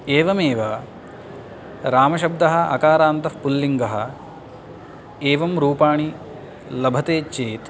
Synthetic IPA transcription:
eːʋɐmeːʋɐ | ɾaːmɐʃɐb̚d̪ɐɦɐɐ̰kaːɾaːnt̪ɐfpulːiŋɡɐɦɐ | eːʋɐmɾuːpaːɳi | lɐbʱɐt̪eːt͡ʃeːt̪

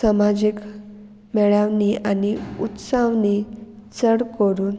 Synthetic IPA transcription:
samad͡ʑik | mɛɭaʋnianiut̪saʋnit͡səɽkəɾuːn

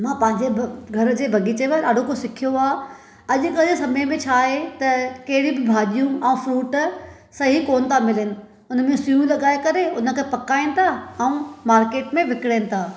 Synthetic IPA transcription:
mãːpɐ̃ɦɪ̃ɲd͡ʑeɡʱɐɾd͡ʑeːbʱɐɡit͡ɕeʋɐɾaːɖ̤ʱokosɪkʰijoaː | ɐʄʊkɐesɐməjmẽt͡ɕʰaːɦet̪ɐkɐɦɪɽĩbɪbʱaːɗijũɛũfɾuːʈ | sɐɦikoːnt̪ʰamɪlɪnɪ̆ | ʊnə̆mẽsujũlɐɠaːekɐɾeʊnə̆kʰepɐkaːĩnɪ̆t̪ʰaɛũmaːɾkeːʈmẽʋɪkɪɽeːnɪ̆t̪ʰaː

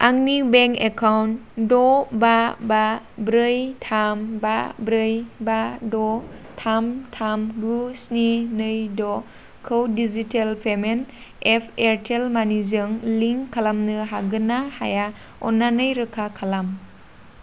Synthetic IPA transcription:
aŋnibeŋkekʰawndɔbababɾɯjtʰambabɾɯjbadɔtʰamtʰamɡusninɯjdɔ | kʰɯwdizitelpʰemen | epʰeɾtʰelmanizɯŋliŋkʰalamnɯɦaɡɯnaha̰ja | ɔnːanɯjɾɯkʰakʰalam

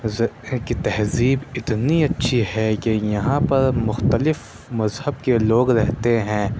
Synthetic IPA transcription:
zɐkit̪ɐɦziːbɪt̪niɐtːʃʰiɦɛkejɐɦãpɐɾmʊxt̪əlɪf | mɐzhəbkeloːɡɾɛɦt̪eɦɛ̃ː

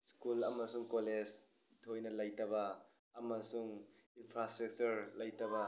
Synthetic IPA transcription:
skulɐmɐsuŋkoled͡ʒ | it̪ʰojnɐlɐjtɐbɐː | mɐsuŋinpʰɾastɾɐk̚t͡ʃuɾlɐjtɐβɐ

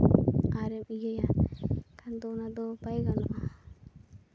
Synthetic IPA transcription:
aɾɛmijɛjakand̪ɔnad̪ɔpajɡanɔ̰ʔa

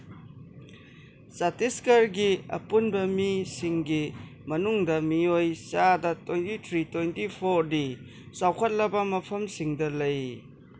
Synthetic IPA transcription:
satiskɐɾɡiɐ̰punbɐmisiŋɡi | mɐnuŋdɐmiojsadɐtʰwejntitʰɾitwejntipʰoɾdi | sawkʰɐt̚lɐbɐmɐpʰɐmsiŋdɐlɐj

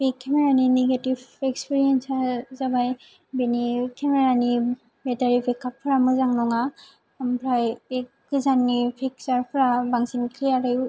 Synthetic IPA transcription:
bikʰːɛmɛɹanineɡetivɛkspiɹiɛnsazabaj | benikʰɛmeɹani | bɛtaɹibikːapʰːɯɾamɯzaŋnɔŋa | mpʰɾajekː | ɯzanːipʰik̚saɹpʰɾabaŋsinkʰliaɾɯj

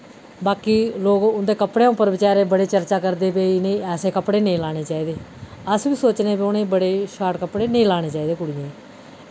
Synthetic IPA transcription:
baːkiːloːkʊnd̪eːkəpɽẽːʊpːəɾʋɪt͡ʃaːɾeːbəɽeːt͡ʃəɾt͡ʃaːkəɾd̪eːpeːinẽĩːɛːseːkəpɽeːnẽĩːlaːɽ̃eːt͡ʃaːiːd̪eːəsʋiːsoːt͡ʃneːpeːʊnẽːbəɽeːʃaːʈkəpɽeːnəĩːlaːɽ̃eːt͡ʃaːiːd̪eːkʊɽɪjẽː

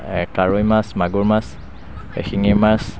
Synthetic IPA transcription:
kaɹujmasmaɡuɹmas | ɛ̰xiŋimas

